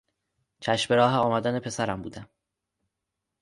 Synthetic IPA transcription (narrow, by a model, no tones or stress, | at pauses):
t͡ʃʰæʃbe̞ɾɒːɦeɒːmæd̪æne̞pʰe̞sæɾæmbṵːd̪æm